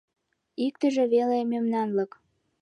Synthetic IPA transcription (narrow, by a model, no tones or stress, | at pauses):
ik̚t̪ə̆ʒĕβelemømnɑnlɤ̆k